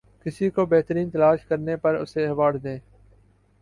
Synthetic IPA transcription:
kɪsiːkoːbɛɦt̪əɾiːnt̪əlaːʃkəɾnepəɾʊ̰seːəʋaːɽd̪ẽː

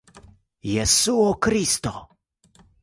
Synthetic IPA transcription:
jɛsuɔkɾist̪ɔ

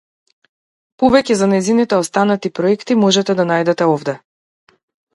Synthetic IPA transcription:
pɔvɛcɛzanɛjzinit̪ɛɔst̪anat̪ipɾɔɛkt̪imɔʒɛt̪ɛd̪anajd̪ɛt̪ɛɔvd̪ɛ

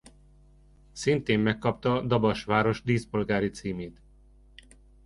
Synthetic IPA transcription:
sint̪eːmːɛkːɒp̚t̪ɒd̪ɒbɒʃʋaːɾo̞ʒd̪iːspo̞lɡaːɾit̪siːmeːt̪

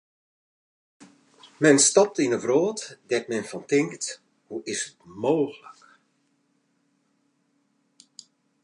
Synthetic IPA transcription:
mɛnstɔp̚tinəvroːtdɛt̚mɛnfɔntɪŋkt | huʔɪsətmoːɣələk

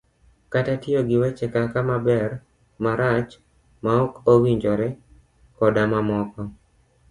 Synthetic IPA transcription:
katatɪoɡɪwet͡ʃɛkakamabɛr | maɾat͡ʃ | maɔkowiɲd͡ʒɔɾɛ | kɔdamamɔkɔ

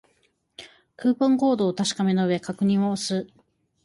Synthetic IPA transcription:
kɯ̟ːpõŋɡo̞ːd̪o̞ːt̪aɕi̥kame̞no̞ɯ̟e̞kakɯ̟ɲ̟ĩɰ̃oːsɨ

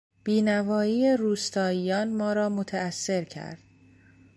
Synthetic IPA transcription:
b̥iːnævɒːjiːeɾuːst̪ʰɒːiːjɒːnmɒːɾɒːmot̪ʰæːsːe̞ɾcʰæ̰ɾd̪̥

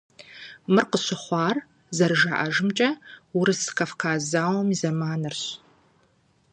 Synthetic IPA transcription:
mɨrqəɕɪχʷɑːr | zɐrʒa̰ʔɐ̰ʒɨmt͡ʃʼɐwʊɾɨsɨ̥kʰɐfkʰaːzaːwmizɐmaːnɨrɕ

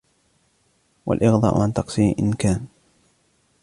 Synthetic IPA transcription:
wa̰lʔɪɣd̪ˤɑ̰ːʔʊʕant̪ɑqsiːnʔɪnkaːn

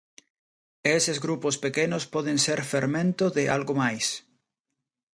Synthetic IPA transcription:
esezɣɾupospekenʊspɔðenseɾfeɾmẽnt̪ʊðɪʔalɣomajs

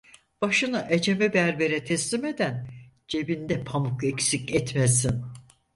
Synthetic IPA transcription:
b̥aʃɯnɯʔed͡ʒe̞mɛbæɾbe̞ɾɛt̪ʰɛslʲime̞d̪æn | d͡ʒe̞bind̪ɛpʰamukecsicɛt̪mesin

